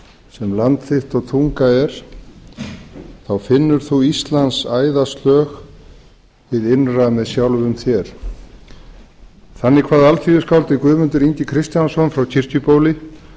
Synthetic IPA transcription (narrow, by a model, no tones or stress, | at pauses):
sɛmlant̪θɪht̪ɔɣt̪ʰuŋkaɛɾ̥ | θawfɪnːʏɾ̥θuist̪lant̪saːjðast̪lœːx | vɪðɪnramɛðsjawlvʏmθjɛɾ̥ | θanːɪkʰvaːðalt̪ʰiːðʏskawlt̪ɪkvʏːðmʏnt̪ʏɾiɲc̪ɪkʰɾɪst̪jansɔnfɾawcʰɪr̥cʏpoːwlɪ